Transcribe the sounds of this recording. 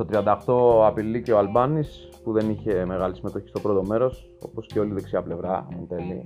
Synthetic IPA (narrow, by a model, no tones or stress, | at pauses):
t̪ot̪ɾiɐnd̪ɐxt̪o̞ɐpilice̞oalbɐnispuðe̞niçe̞me̞ɣɐlisime̞t̪o̞çist̪o̞pɾo̞t̪o̞me̞ɾo̞s | o̞̰po̞sceo̞liðe̞ksiɐple̞vɾɐent̪e̞li